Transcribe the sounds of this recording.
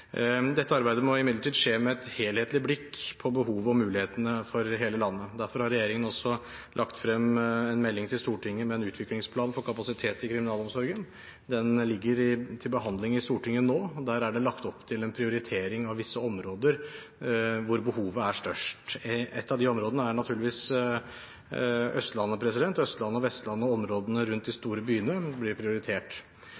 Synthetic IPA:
d̪ɛt̪ːəɑɾbæɪd̪əmɔɪmɪd̪ləʈʰiːd̪ʂeːmɛɛt̪heːlheːt̪lɪblɪkːpʰɔbəɦuːʋɔmːʉːlɪheːt̪ənəfɔɾɦeːləlɑnːəd̪æɾfɔɾhɑɾɛjeːɾɪŋənɔsːɔ | lʔɑkt̪fɾɛmːɛnmɛlːɪŋt̪ʰɪlst̪uːʈʰɪŋːəmɛːnʉːt̪ʰʋɪklɪŋspʰlɑːnfɔɾkʰɑpɑsɪt̪ʰeːt̪ɪkʰɾɪmɪnɑːlɔmsɔɾɡən | d̪ɛnlɪɡːəɾɪt̪ʰɪlbəɦɑnd̪lɪŋɪst̪uːʈɪŋːənoːɔd̪æːɾæɖɛlɑkt̪ɔpːt̪ʰɪlɛnpʰɾɪʊɾɪt̪ʰeːɾɪŋɑʋʋɪsːəɔmɾoːd̪əɾ | ʋʊɾbəhuːʋəæʂtœʂʈʔɛt̪ːɑʋd̪ɪɔmɾoːd̪ənəæɳɑt̪ʰʉːɭɪʋiːs | œ̰st̪lɑnːəpʰɾɛsɪd̪ɛnt̪œst̪lɑnːəɔʋɛst̪lɑnːəɔɔmɾoːd̪ənəɾʉnt̪̚d̪ɪst̪uːɾəbyːnəblɪɾpʰɾɪʊɾɪt̪ʰeːʈ

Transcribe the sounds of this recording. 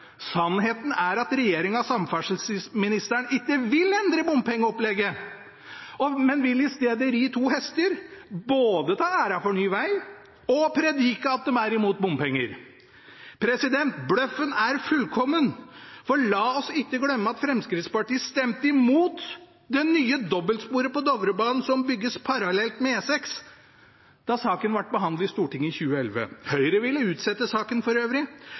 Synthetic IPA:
sɑnheːt̪n̩æɾɑt̪ɾɛjeːɾɪŋɑsɑmfæʂəlssmɪnɪst̪əɳɪkːəʋɪlɛnd̪ɾəbʊmpʰɛŋːəɔplɛɡːə | ɔmɛnʋɪlːɪst̪eːd̪əɾiːt̪ʰuːhɛst̪əɾboːd̪ət̪ʰɑːæːɾɑfɔɳyːʋæɪ | ɔpʰɾɛd̪iːkəɑt̪̚d̪ɛmæɾɪmuːt̪̚bʊmpɛŋːəɾ | pʰɾɛsɪd̪ɛnt̪blœfənæɾfʉlkʰɔmːənfɔɭɑːɔsɪkːəɡlœmːəɑt̪fɾɛmskɾɪt̪spɑʈiːəst̪ɛmt̪əɪmuːt̪ | d̪ɛnyːəd̪ɔbːəlspuːɾəpɔd̪ɔʋɾəbɑːnn̩sɔmbʏɡːəspʰɑɾɑlɛlt̪mɛeːsɛks | d̪̥ɑsɑːkənʋæʈ̚ːbəɦɑnd̪̩ɪst̪uːʈɪŋːɪçʉːəɛlʋə̰hœʏɾəʋɪlːəʉːt̪sɛt̪ːəsɑːkənfɔɾøːʋɾɪ

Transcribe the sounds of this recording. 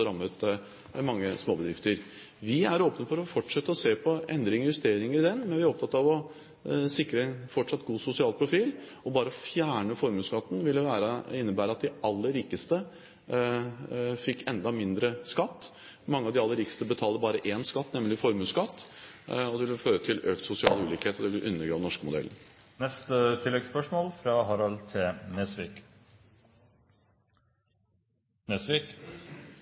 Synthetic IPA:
ɾɑmːət̪ | mɑŋːəsmoːbəd̪ɾɪft̪əɾ | ʋɪæɾoːpnəfɔɾɔfɔʈʂɛt̪ːəɔseːpʰɔɛnd̪ɾəɪnʋɛst̪eːɾɪŋəɾɪd̪ɛnmɛnʋɪæɾɔpt̪ʰɑt̪ːɑʋɔ | sɪkɾəɛnfɔʈʂɑt̪ːɡuːsʊsɪɑːlpʰɾʊfiːl | ɔbɑːɾəɔfjæːɳəfɔɾmʉːskɑt̪ːn̩ʋɪlːəʋæːɾəɪnːəbæːɾəɑt̪̚d̪ɪʔɑlːəɾiːkəst̪ə | fɪkːɛnd̪ɑmɪnd̪ɾəskɑt̪ː | mɑŋːəɑʋd̪ɪɑlːəɾiːkə̥st̪əbət̪ʰɑːləbɑːɾəʔeːnskɑt̪ːnɛmlɪfɔɾmʉːskɑt̪ː | ɔd̪ɛʋɪlføːɾət̪ʰɪløːkt̪sʊsɪɑ̰ːləʉːliːkheːt̪ɔd̪ɛʋɪləʔʉnːəɾɡɾɑːʋnɔʂkəmʊd̪ɛ̰lə | nɛst̪ət̪ʰɪlːɛɡspœʂmoːlfɾɑːɦɑɾɑlt̪ʰɪneːsʋik | nesʋik

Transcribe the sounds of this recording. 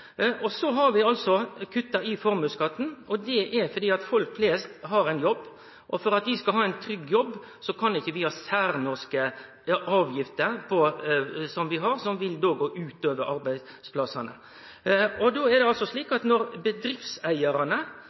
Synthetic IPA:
ʔɔsɔɦɑɾʋɪɑlsɔkʰʉt̪ːɑɾɪfɔɾmʉːskɑt̪ːn̩ɔd̪ɛʔɛɾfɔɾd̪iːɑt̪fɔlkfleːst̪ɦɑɾæɪnjɔbː | ʔɔfɔɾɑt̪ʋɪskɑɦɑːɛɪnt̪ʰɾʏɡːjɔbː | sɔkʰɑnɪçːəʋɪhɑːsæɾnɔskə | ʔɑːʋjɪft̪əɾpʰɔsɔmʋɪɦɑɾsɔmʋɪld̪oːɡoːʔʉːt̪øːʋəɾɑɾbæɪ | spʰlɑsːɑnə̰ | ɔd̪oːɛɾd̪ɛɑlsɔsɭiːkɑt̪nɔɾbəd̪ɾɪfsæɪəɾɑnə

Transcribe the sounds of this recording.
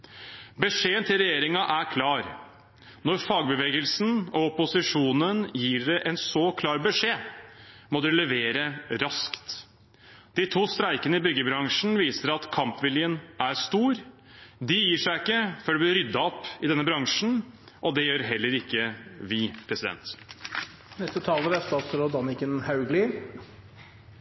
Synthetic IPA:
bəʂeːənt̪ʰɪlɾɛjeːɾɪŋɑʔæɾkʰlɑːɾ | nɔɾfɑːɡbəʋeːɡəlsn̩ɔɔpʊsɪʂuːnənjiːɖɛʔɛnsɔkʰlɑːɾbəʂeː | mɔd̪ʉlɛʋeːɾəɾɑskt̪ | d̪̥ɪt̪ʰuːst̪ɾæɪkənəɪbʏɡəbɾɑŋʂn̩ʋiːsəɾɑt̪kʰɑmpʋɪljənʔæɾst̪uːɾ | d̪ɪjiːʂæɪɪkːəfɔɖɛblɪɾʏd̪ːɑɔpːɪd̪ɛnːəbɾɑŋʂn̩ | ʔɔd̪ɛjøːɾɦɛlːəɾɪkːəʋɪpʰɾɛsɪd̪ɛ̰nt̪ | nɛst̪ət̪ʰɑːləɾæst̪ɑːt̪sɾɔd̪ɑnɪkənhaʉɡlɪ

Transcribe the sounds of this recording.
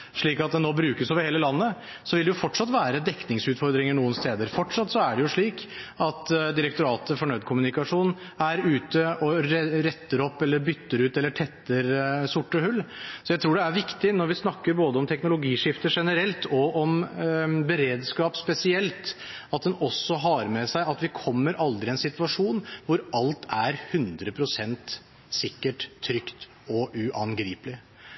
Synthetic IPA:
ʂɭiːkɑt̪̚d̪ɛnoːbɾʉːkəsoːʋəɾheːləlɑnːə | sɔʋɪld̪ɛjʊfɔʈʂɑt̪ʋæːɾəd̪ɛkːnɪŋsʉːt̪fɔɾd̪ɾɪŋəɳuːənst̪eːd̪əɾfɔʈʂɑt̪ːsɔæɖɛjʊʂɭiːkɑt̪d̪ɪɾəkt̪ʊɾɑːt̪əfɔɳœʏd̪̚kʰʊmʉnɪkɑʂuːn | æɾʉːt̪əɔɾɾɛt̪ːəɾɔpːɛlːəɾbʏt̪ːəɾʉːt̪ɛlːəʈʰɛt̪ːəɾsʊʈːəhʉlːsɔjæɪt̪ʰɾuːɖɛæɾʋɪkt̪ɪnɔɾʋɪsnɑkːəɾboːd̪əɔmt̪ʰɛknʊlʊɡiːʂɪft̪əʂɛnəɾɛlt̪ɔʔɔm | bəɾeːd̪skɑːpspɛsɪɛlt̪ | ɑt̪̚d̪ɛnɔsːɔɦɑɾmɛsæɪɑt̪ʋɪkʰɔmːəɾʔɑld̪ɾɪɛnsɪt̪ʋɑʂuːnʋʊɾɑlt̪ʰæɾhʉnd̪ɾəpʰɾʊsɛnt̪ | sɪkːəʈʰːɾʏkt̪ | ɔʔʉʔɑnɡɾiːplɪ

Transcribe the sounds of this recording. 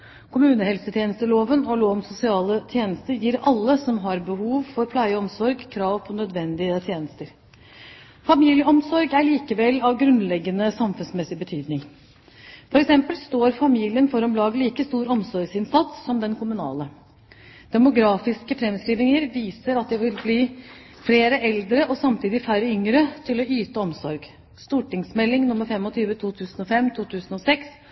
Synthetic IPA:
kʰʊmʉːnəhɛlsət̪ʰjeːnəst̪əloːʋənɔloːʋnsʊsɪɑːlət̪ʰjeːnəst̪əɾjiːɾɑlːəsɔmɦɑɾbəhuːʋfɔɾpʰlæɪəɔmsɔɾɡkʰɾɑːʋpʰɔnœd̪ʋɛnd̪ɪət̪ʰjeːnəst̪əɾ | fɑmiːljəɔmsɔɾɡæɭiːkəʋɛlːɑʋɡɾʉnlɛɡːənəsɑmfʉnsmɛsɪbət̪ʰyːd̪nɪŋ | fɔɾɛksɛmpəlst̪oːɾfɑmiːlɪənfɔɾɑmblɑːɡəliːkəst̪uːɾɔmsɔɾɡsɪnsɑt̪sːɔmd̪ɛnkʰʊmʉnɑ̰ːlə | d̪̥ɛmʊɡɾɑːfɪskəfɾɛmskɾiːʋnɪŋəɾʋiːsəɾɑt̪̚d̪ɛʋɪlbliː | fleːɾəʔɛld̪ɾəʔɔsɑmt̪ʰiːd̪ɪfæɾəʏŋɾət̪ʰɪlɔyːt̪əɔmsɔɾɡ | st̪uːʈɪŋsmɛlːɪŋnʊmːəɾfɛmːɔt̪ʰyːʋət̪ʰuːt̪ʰʉːsənɔfɛmt̪ʰuːt̪ʰʉːsənɔsɛks

